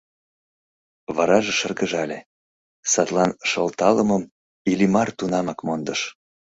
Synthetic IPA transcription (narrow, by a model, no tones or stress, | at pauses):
βɑɾɑʒeʃərɡəʒɑlʲe | sɑt̪lɑnʃɤlt̪ɑləməm | ilʲimɑrt̪unɑmɑkmond̪əʃ